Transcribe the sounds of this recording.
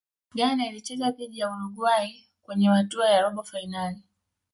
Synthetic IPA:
ɠanailit͡ʃɛkapiʄijauluɡwai | kwɛɲɛmatuajaɾɔɓɔfainali

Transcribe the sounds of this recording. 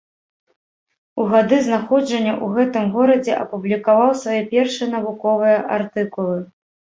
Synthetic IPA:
uɣad̪ɨznaxɔd͡ʐɐnʲːɐʔuɣɛt̪ɨmɣɔɾɐd͡zʲɛʔɐpublʲikavawsvajɛpʲɛrʂɨjɐn̪ɐvukɔvɨjɐʔart̪ɨkulˠɨ

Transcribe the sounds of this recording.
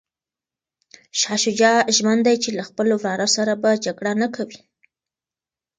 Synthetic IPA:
ʃɑʃud͡ʒɑʒmand̪ajt͡ʃelaxpəlowɾɑɾosaɾabad͡ʒaɡɽanakʰawi

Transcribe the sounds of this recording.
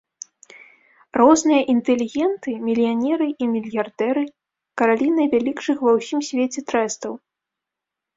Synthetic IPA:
rɔznɨjɐʔint̪ɛlʲiɣʲɛnt̪ɨmʲilʲjanʲɛɾɨʔimʲilʲjard̪ɛɾɨ | kɐɾalʲinɐjvʲalʲikʂɨxvɐwsʲimsʲvʲet͡sʲɛt̪ɾɛst̪ɐw

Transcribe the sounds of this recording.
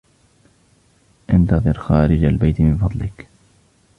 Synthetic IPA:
ʔɪnt̪ɑðˤɨɾxaːɾɪd͡ʒalbajt̪mɪnfɑðˤlɪk

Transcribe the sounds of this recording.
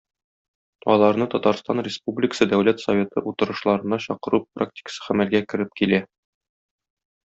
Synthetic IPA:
ɒlˠɑɾnɤt̪ɒt̪ɑɾst̪ɑnrʲɪspublʲɪkə̥sɤd̪æwlæt̪sɐvʲe̞t̪ɤʔut̪ɤ̆ɾɤ̆ʃlˠɑɾɤ̆nɑɕɒqɤ̆ɾupːrʔak̚tʲɪ̥kə̥sɤ̥χæmælɡækɘ̆ɾɘp̚kilæ

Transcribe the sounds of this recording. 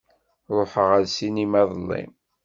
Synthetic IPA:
ɾˤoħəʁæðsinimæðˤlːḭm

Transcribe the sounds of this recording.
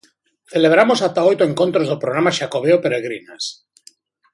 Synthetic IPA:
θeleβ̞ɾamosat̪aojt̪oeŋkont̪ɾozðopɾoɣɾamaʃakoβ̞eopeɾeɣɾinas

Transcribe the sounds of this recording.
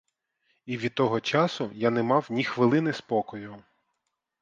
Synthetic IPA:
iʋʲid̪̚t̪ɔɦɔt͡ʃɑsʊjanɛmɑwnʲixʋɪlˠɪnɪspɔkɔjʊ

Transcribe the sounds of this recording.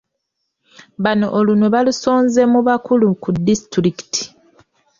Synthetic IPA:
βano̞ʔːlunoβalusoːnze̞muβakulukudːistɾiki̥ti̥

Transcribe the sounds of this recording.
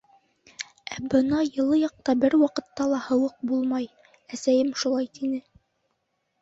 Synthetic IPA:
æbɤnɑjɤ̆lˠːɤjɑq̚t̪ɑbɘɾwɑqɤ̆t̪ːɑlˠɑhɤ̆wɤq̚bulˠmɑj | æsæjɘmʃulˠɑjt̪inɘ

